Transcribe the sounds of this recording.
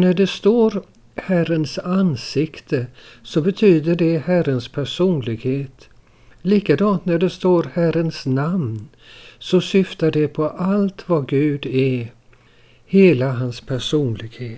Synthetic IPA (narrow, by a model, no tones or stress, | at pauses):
næɖɛst̪oːɾ | hærənsansɪkt̪ʰəsɔbɛt̪ʰyːd̪əɖɛhærənspʰæʂuːnlɪɡheːt̪ | liːkad̪ɑnt̪næɖɛst̪oːɾhæɾənsnamn | sɔsʏft̪aɖɛpʰɔʔalt̪vaɡʉ̟ːd̪ɛ | heːlaɦanspʰæʂuːnlɪɡheːt̪